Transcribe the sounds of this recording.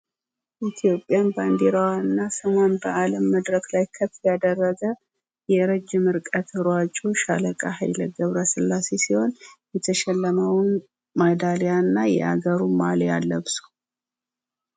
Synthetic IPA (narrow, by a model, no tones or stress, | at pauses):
ʔit̪ʰijo̞pʼːjanband̪eɾawanːasəmanbəʔaləmːəd̪ɾəklajkʰəfjad̪ərːəɡə | jɛɾəd͡ʒːɪmɨɾkʼət̪ɨɾwat͡ʃʼuʃa̰ləkʼaha̰jləɡəβɾəsɨlːase̞siho̞njɛt̪ʰəʃɛlːəməwn | mad̪alejanːajɛ̰ʔa̰ɡəɾumalja̰lːəβsu̥